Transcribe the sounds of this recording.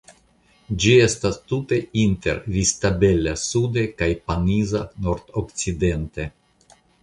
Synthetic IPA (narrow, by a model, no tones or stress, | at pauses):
d͡ʒie̞stast̪ut̪e̞int̪e̞̰ɾvist̪abelasud̪ekajpanizanoɾt̪okt͡side̞nt̪e̞